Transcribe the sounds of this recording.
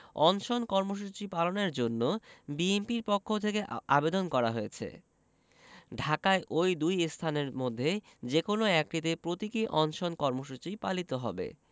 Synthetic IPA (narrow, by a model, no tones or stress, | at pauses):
ɔnʃonkɔɾmoʃ̬ut͡ɕipaloneɾd͡ʑonːobiempiɾpokʰːot̪ʰekea̰bed̪onkɔɾa̰ɦoet͡ɕʰḛ | ɖʱakaeʔojd̪ujst̪ʰaneɾmod̪ʱːe | d͡ʑekonoɛk̚ʈit̪̬epɾot̪ikiʔɔnʃonkɔɾmoʃut͡ɕipalit̪oɦɔbḛ